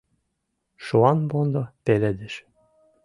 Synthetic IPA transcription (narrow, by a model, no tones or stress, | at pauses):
ʃoɑnbond̪opeled̪ĕʃ